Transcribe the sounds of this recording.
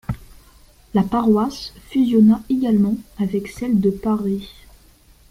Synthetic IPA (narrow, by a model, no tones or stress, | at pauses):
lapaʁwasfyzjɔnaeɡalmɑ̃avɛksɛld̪əpaʁi